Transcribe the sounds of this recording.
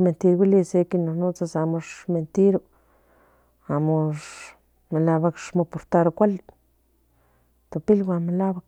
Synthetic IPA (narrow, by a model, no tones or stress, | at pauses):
ment̪iɾɡilisekinonut͡sasamoʂment̪iɾu | amoʂ | melabakʂmopoɾt̪aɾokʷal | t̪opilɡʷamelabak